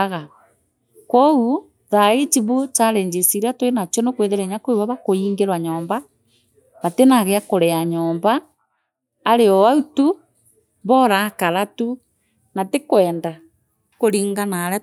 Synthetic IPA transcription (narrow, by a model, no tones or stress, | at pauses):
ɣa | kɔu | ðaet͡ʃiβut͡ʃaɾeɲd͡ʒesiɾatwenat͡ʃɔnokweðeɾeɲakoeβaβakoiːŋɡeɾwaɲɔːmba | βatenaɣeakoɾeaɲɔːmbaː | ɾeɔwautu | βɔɾakaɾatu | natekwɛːnda | koɾiŋɡanaɾɛ